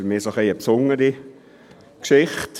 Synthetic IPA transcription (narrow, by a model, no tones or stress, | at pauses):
fəɾmiːsoχeːəpsʊŋəɾi | kʃɪχt